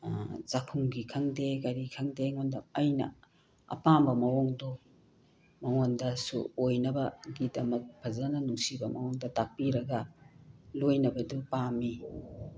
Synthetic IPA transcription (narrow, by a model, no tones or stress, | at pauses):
zakʰuŋɡikʰɐŋdeɡaɾikʰɐŋdeŋondɐmɐjnɐ̰ | ɐ̰pambɐmɐwoŋdɔ | mɐŋondɐsṵojnɐbɐɡidɐmɐk̚pʰɐzɐnɐnuŋsibɐmɐŋoŋdɐtak̚piɾɐɡɐ | lojnɐbɐdupami